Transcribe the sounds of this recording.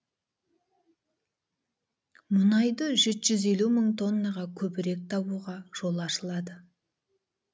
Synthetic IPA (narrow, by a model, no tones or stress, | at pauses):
mʊnɑjd̪əʒet̪ʒ̥ʏze̞luməɴt̪ʰo̞nːɑʁɑkʲʰɵbɪɾe̞k̚t̪ʰɑbuʁɑʒ̥o̞lˠɑʃəlˠɑd̪ə